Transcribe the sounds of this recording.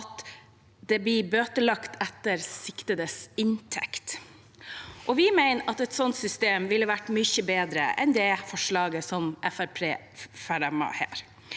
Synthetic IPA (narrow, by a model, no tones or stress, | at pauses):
ɑt̪ | d̪̥ɛblɪbøːt̪əlɑkt̪ɛt̪ːəɾsɪkt̪əd̪əsɪnt̪ʰɛkt̪ | ʔɔʋɪmæɪnɑt̪ɛt̪sɔnt̪sʏst̪eːmʋɪlːəʋæʈmʏçəbeːd̪ɾə̰ɛ̰nd̪ɛfɔʂɭɑːɡəsɔmʔɛfæɾpʰeː | fæɾɛmɑ̰hæ̰ːɾ